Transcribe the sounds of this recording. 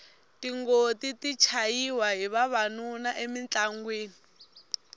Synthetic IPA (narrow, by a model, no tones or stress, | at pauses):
tiŋɡotitit͡ʃʰajiwaɦiβaβanunaʔemint͡ɬaŋɡweːni